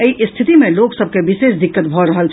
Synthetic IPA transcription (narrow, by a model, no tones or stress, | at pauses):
əiʔst̪ʰit̪imeloksəb̚ʱkebisesd̪ikːət̪̚bʱɔɾəɦəlt͡ʃʰ